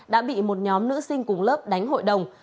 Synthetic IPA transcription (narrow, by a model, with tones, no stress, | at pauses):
ɗa̰ː˧˥ɓḭ˧˨mo˨˩t̚ɲɔ˨˦mnɨ̰˧˥sï˧ŋ̟kʊ˨˩ŋ͡mləː˦˥p̚ɗa˨˦jŋɦo̰˧˨jɗə˨˩wŋ͡m